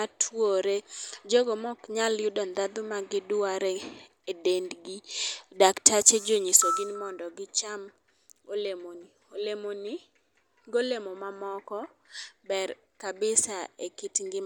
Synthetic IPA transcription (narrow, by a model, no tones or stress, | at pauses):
atʰwoɾed͡ʒoɡomɔkɲaljʊdɔnd̪ad̪ʊmaɡɪdaɾɛ | edendɡidaktʰat͡ʃed͡ʒoɲɪsoɡinmɔndɔɡɪt͡ʃam | olemoni | olemoni | ɡolemomamɔkɔbɛr | kabɪsaekɪtŋɡɪ